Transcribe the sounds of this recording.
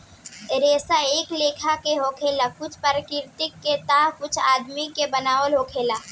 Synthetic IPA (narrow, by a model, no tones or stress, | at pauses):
ɾeːsaeːkleːkʰakeɦoːkʰeːlakʊt͡ʃʰpəɾəkɪɾt̪ɪkːet̪aɦkʊt͡ʃʰaːd̪mikebənaːʋəlɦoːkʰeːlaː